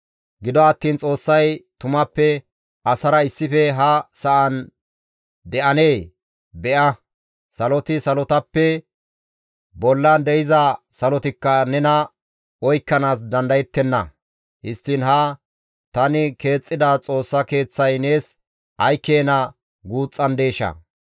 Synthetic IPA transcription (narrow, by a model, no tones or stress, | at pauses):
ɡɪd̪ɔɐt̪ːiːnt͡sʼo̞ːsːɐjt̪ʊmɐpːɛ | ʔɐsɐɾɐɪsːɪfɛɦɐsɐʔɐn | d̪ɛʔɐne̞ː | bɛʔɐ | sɐlɔt̪ɪsɐlɔt̪ɐpːɛ | bɔlːɐnd̪ɛɪzɐsɐlɔt̪ɪkːɐnɛnɐ | ɔjkːɐnaːs̬d̪ɐnd̪ɐjɛt̪ːɛnːɐ̰ | hɪst̪ːɪnɦɐ | t̪ɐnɪke̞ːt͡sʼːɪd̪ɐt͡sʼo̞ːsːɐke̞ːt͡sːɐjne̞ːs | ʔɐjkːe̞ːnɐ | ɡuːt͡sʼːɐnd̪e̞ːʃɐ̰